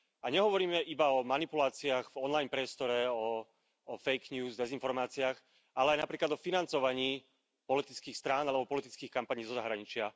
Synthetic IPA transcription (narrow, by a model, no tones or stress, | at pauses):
aɲɛɦɔʋɔɾiːmɛʔibaɔmanipulaːt͡siaːɣvɔnlajnpɾɪɛst̪ɔɾɛɔː | fɛjkɲuːzd̪ɛzinfɔɾmaːt͡siaːx | alɛajnapɾiːklad̪ɔfinant͡sɔʋaɲiː | pɔlit̪it͡skiːxst̪ɾaːnalɛbɔpɔlit̪i̥t͡skiːxkampaɲiːzɔzaɦɾaɲit͡ʃɪa